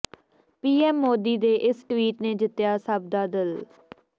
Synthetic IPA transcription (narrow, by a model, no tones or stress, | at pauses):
piːɛːmːoːd̪iːd̪eːʔɪsʈʋiːʈnẽːd͡ʒɪt̪ɪjaːsəb̚d̪aːd̪ɪl